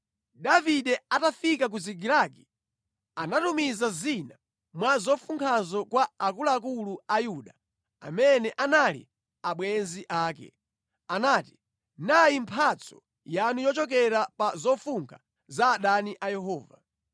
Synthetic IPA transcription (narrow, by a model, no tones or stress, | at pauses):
daviɗɛatafikak̬uziɡiɾaki | anatumizazina | mwazɔfuŋkʰazɔkwaakulaːkuluajuɗa | a̰mɛnɛʔanalḭ | aɓwɛnziʔaːkɛ̰ | anaːti̥ | najimpʰat͡sʰɔ̥ | janujɔt͡ʃɔk̬ɛɾapazɔfuŋkʰa | zaːɗaniʔajɛɦɔːva̰